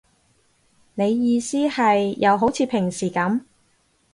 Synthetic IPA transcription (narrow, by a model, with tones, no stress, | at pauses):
ne˨˧jːiː˧siː˥hɐ˨jːɐ˨˧wɦo˨˥wt͡sʰiː˨˧pʰɪ˨˩ŋsiː˨˩kɐ˨˥m